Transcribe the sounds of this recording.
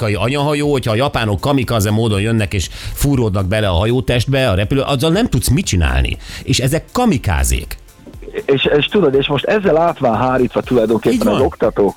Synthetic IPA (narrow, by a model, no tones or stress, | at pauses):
kɒjiɒɲɒɦɒjoːhocʰhɒːjɒpaːno̞kːɒmikɒzɛmːoːd̪o̞njønːɛkeːʃfuːɾoːd̪nɒɡ̚bɛlɛɒɦɒjoːt̪ɛʒd̪bɛɒɾɛpyløːʔɒzːɒlnɛmt̪ut̪smit͡ʃina̰ːlnḭeːʃɛzɛkːɒmika̰ːzḛːk | eːʃeːʃt̪ud̪od̪eːʃmo̞ʃt̪ɛzːɛlaːt̪ʋaːnɦaːɾiːt̪ʋɒt̪ulɒjd̪o̞ŋkeːpːɛnɛzo̞kt̪ɒt̪oː